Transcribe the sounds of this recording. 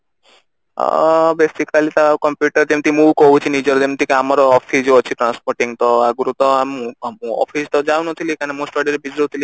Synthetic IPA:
besikalit̪akɔmpjuʈəɾt̪emt̪ʰimũkɔɦũt͡ʃʰinid͡ʒɔɾt̪emt̪ikiamɔɾɔːpʰid͡ʒɔt͡ʃʰiʈɾanspɔɾʈiŋt̪ɔaɡuɾut̪ɔamũmũɔ̰pʰist̪ɔd͡ʒaw̃nɔt̪ʰilikanemõsʈɔɖiɾebid͡ʒɾɔt̪ʰili

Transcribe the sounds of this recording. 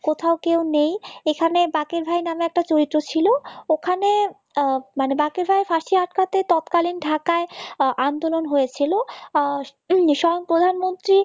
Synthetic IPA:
kot̪ʰaokewnejekʰanebakeɾbʱajnameɛk̚ʈat͡ɕoɾit̪ːɾot͡ɕʰilookʰane | manebakeɾbʱajfʰaɾʃiaʈ̚kat̪et̪ɔt̪kalinɖʱakaeand̪olonɦojet͡ɕʰilo | ʃɔoŋpɾod̪ʱanmont̪ɾi

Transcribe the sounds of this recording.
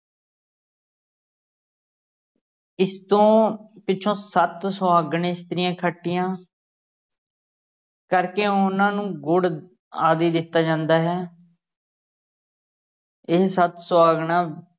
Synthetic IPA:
ɪst̪õːpɪːt͡ʃʰõːsət̪sʊaːɡɳeːɪst̪əɾɪjãːkʰəʈːɪjãː | kəɾkeːʊnãːnũːɡʊɽ | aːd̪iːd̪ɪt̪ːaːd͡ʒãːnd̪aːɦɛː | ɪssət̪sʊaːɡɳãː

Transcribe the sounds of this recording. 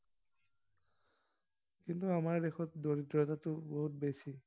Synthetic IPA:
kintuamaɹdexɔtdoɹitːɔtatʊboɦut̚besi

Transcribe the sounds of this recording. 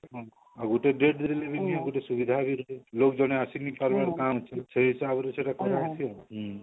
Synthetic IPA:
ɦɔ̃ | aɡuʈeɖeʈd̪eɾelebikiãɡuʈesubid̪ʱabiɾɔelokd͡ʒɔɽ̃easinipaɾbaɾkamt͡ʃʰiseɦisabɔɾeseʈakɔɾasʰiɔɦ

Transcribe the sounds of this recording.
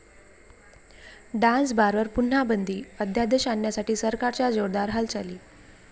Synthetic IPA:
ɖãns̬baɾʋəɾpun̤ːabənd̪ʱiːəd̪ʱjad̪eɕanjasaʈiːsəɾkaɾt͡ɕjad͡zoɾd̪aɾɦəlt͡ɕaliː

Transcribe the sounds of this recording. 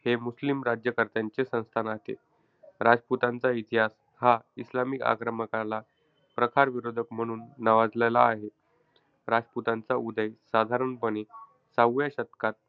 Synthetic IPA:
hemuslimɾad͡ʑjəkəɾt̪jaɲt͡ɕesə̃w̃st̪ʰanat̪ḛ | ɾad͡zput̪ant͡sait̪iɦas | haislamika̰kɾəməkala | pɾəkʰaɾʋiɾod̪ʱəkm̤əɽ̃uːnːaʋad͡zlajlaːɦe | ɾad͡zput̪ant͡saud̪əjsad̪ʱaɾəɳbəne | saɡujaɕət̪kat̪̚

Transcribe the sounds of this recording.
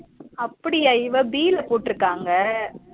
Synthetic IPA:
ɐpːɐɽɪɐɪʋɐbiːlɐpoːʈːɪɾɯkːaːŋɡɐ

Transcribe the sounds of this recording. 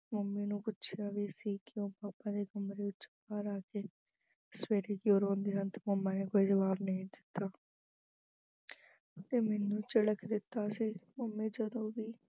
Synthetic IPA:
məmːẽːnũːpʊtːʃʰjaːʋeːsiːkɪjõːpaːpːãːd̪eːɡəmɾeːʊt͡ʃbaːɾaːkeː | sʋeːʈeːkioːɾõːnd̪eːnənt̪məmãːneːkoːiːzəbaːɾnəɦĩd̪ɪt̪ːaː | t̪eːmɛːnũːt͡ʃəɽəkd̪ɪt̪ːaːsiːməmːẽːd͡ʒəd̪õːbiː

